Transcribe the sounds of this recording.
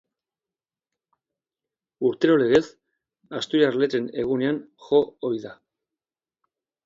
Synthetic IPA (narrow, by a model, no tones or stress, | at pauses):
uɾt̪e̞ɾo̞le̞ɣe̞s | ast̪ujarle̞ɾe̞ne̞ɣ̞une̞anxo̞ːjða